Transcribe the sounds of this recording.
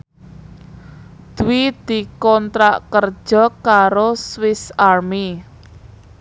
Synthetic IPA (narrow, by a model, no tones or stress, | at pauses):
d̪̥uwid̪̥i̤kɔnt̪ɾaʔkər̥ʒ̥ɔ̤kaɾoswɪsarmi